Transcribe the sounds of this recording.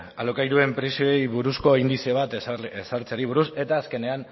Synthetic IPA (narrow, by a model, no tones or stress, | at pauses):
alokajɾue̞mpɾisioejβuɾusko̞ind̪isioβ̞at̪sesaɾt͡seaɾiβ̞uɾuse̞t̪aːske̞ne̞an